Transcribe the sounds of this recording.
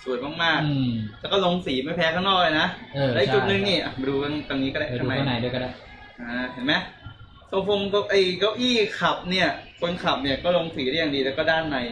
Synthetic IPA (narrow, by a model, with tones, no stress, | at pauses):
su˨˩ətmaː˥˩ŋ̚maː˥˩k̚lɛː˦˥wkɔ˥˩lo˧ŋsiː˩˦ma˥˩jpʰɛː˦˥kʰaː˥˩ŋnɔː˥˩k̚a˧jnaː˦˥˧lɛ˦˥ʔi˨kt͡ɕu˨˩t̪̚nɯ˧ŋniː˧˩ʔa˧˩˧duː˧ka˥˩t̪a˧niː˦˥kɔ˥˩da˧˥˩kːnma˦˥a˦du˥˩˨ka˥˩ | ʔaː˧˩t̪ʰɯ˨˩˦ma˦˥j | so˧˩ŋfʰo˧ŋka˧˩ʔa˧˩jka˦˥wʔiː˥˩kʰa˨˩p̚ni˥˩ɐkʰo˧nkʰa˨˩p̚ni˥˩ɐkɔː˥˩lo˧ŋsiː˨˩˦daː˥˩ja˨ŋdiː˧lɛː˦˥kɔː˥˩daː˥˩nma˧j